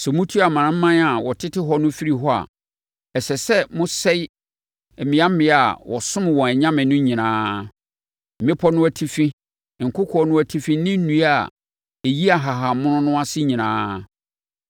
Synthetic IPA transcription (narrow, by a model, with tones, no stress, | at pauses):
sɛ˨mũ˦tʰu˦˨a˨mãː˨˦m̩˦mã˦na˨wɔ˨tʰɪ˦tʰɪ˦ɦɔ˦nʊ̃˦fi˦ɾi˨ɦɔ˦a̰˨ | ɛ˨sɛ˨sɛ˦mʊ̃˦sɛ˦j | ɛ˨mɪ̃˨˦a˦m˦mɪ̃˦a˨wɔ̰˨sʊ̃˦m˨wɔ̃˨æ˨ɲã˦mɪ̃˨nʊ̃˦ɲĩ˨nãː˦ | m̩˨mɪ̃˦pʰɔ˦nʊ̃˦æ˨tʰi˦fĩ˦˨ | ŋ̩˨kʰʊ˦kʰɔ˦nʊ̃˦æ˨tʰi˦fĩ˦nɪ̃˦n̩˦nũ˦a˨ | e˨ji˦a˨ɦa˨ɦa˨mʊ̃˦nʊ̃˦nʊ̃˦a˦sɪ˦ɲĩ˨nã̰ː˦